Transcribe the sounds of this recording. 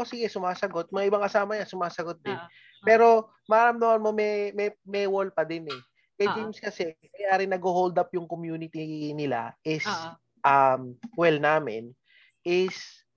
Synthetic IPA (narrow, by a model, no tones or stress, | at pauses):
ʔosiːɡɛsʊmaːsɐɡot̪̚mɐŋaʔɪbaŋkɐsaːmɐɲansʊmaːsɐɡot̪̚d̪ɪn | pɛːɾo̞ | mɐʔaːɾɐmd̪ɐmɐnmomɛmɛmɛwolpɐd̪ɪnɛ | kɐjd͡ʒimskɐsɛmɐjʔaːɾɪŋnɐɡhohowld̪ap̚jʊŋkomjuːnɪt̪inɪla̰ʔɪs | ʔɐmkwɛlnaːmɪ̰n | ʔɪs